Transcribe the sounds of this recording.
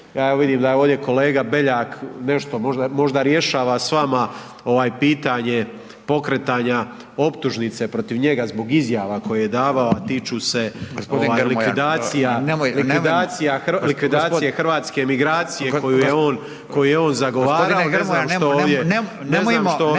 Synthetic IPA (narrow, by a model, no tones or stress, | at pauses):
jaːjeʋid̪iːmd̪ajeoːʋd̪je̞ko̞le̞ːɡabe̞ʎaːkne̞ʃt̪o̞moʒd̪amo̞ʒd̪aɾje̞ʃaːʋasʋama | o̞ʋaːjpiːt̪aɲe̞ | po̞kɾet̪aːɲa | o̞pt̪uʒnit̪se̞pɾo̞t̪iʋɲe̞ɡazbo̞ɡizjaːʋako̞jejed̪aːʋao̞at̪it͡ʃuːse̞ɡosoʋaːlikʋid̪aːt̪sijanlikʋid̪aːt̪sijalikʋid̪aːt̪ijexr̩ʋaːt̪ske̞miɡɾaːt̪sijeko̞juːjeo̞ːn | ko̞jujeo̞ːnzaɡo̞ʋaːɾaonemaːmʃooːdje | nezmaːmt̪o